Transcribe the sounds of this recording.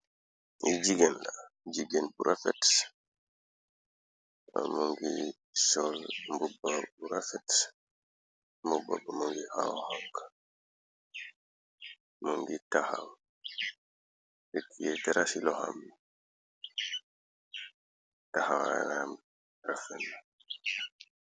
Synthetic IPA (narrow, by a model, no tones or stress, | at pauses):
id͡ʒiɡɛnlad͡ʒiɡɛnbuɾʔafɛts | muŋɡi | sɔlmbubːabuɾafɛts | mbuba̰bamuŋɡiʔawɔhaŋka | muŋɡitahaw | ikːijɛtɛɾasilɔha̰mbi | tahawa̰nam | ɾafɛnːa